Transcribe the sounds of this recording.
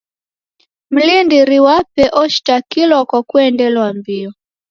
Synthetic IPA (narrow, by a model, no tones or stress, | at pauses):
m̩lindiɾiwapɛʔɔʃtakilɔkakuɛndɛlwambiɔ